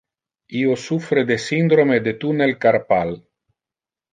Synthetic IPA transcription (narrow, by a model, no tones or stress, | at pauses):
iosufɾed̪esind̪ɾomed̪et̪unelkaɾpal